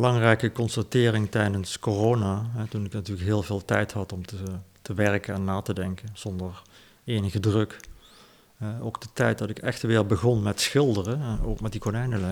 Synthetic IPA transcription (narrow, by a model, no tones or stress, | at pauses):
bəlɑŋrɛjkəkɔnstatɪːrɪŋtɛjdənskoroːnaːɦɛtunɪknatyːləkɦɪːlˠveːlˠtɛjtɦɑtɔmtətəʋɛɹkənɛnːaːtədɛŋkənz̥ɔndəɹ | eːjnəɣədrɵk | ɛowkd̥ətɛjt̚dɑtɪkɛxtʋɪːɹbəɣɔnmɛtsxɪlˠdərəo̰ːkmɛt̚dikonɛjnəlɛ